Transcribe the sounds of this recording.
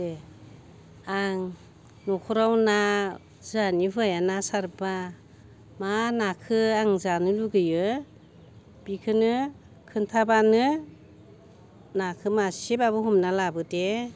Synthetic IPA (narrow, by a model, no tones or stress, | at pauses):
e | aŋ | nɔkʰɔɾawna | zanibɯajanasaɾba | manakʰɯaŋzanɯluɡɯjɯ | b̥ikʰɯnɯ | kʰɯntʰabanɯ | nakʰɯmasibabɯhɔmnalabɯde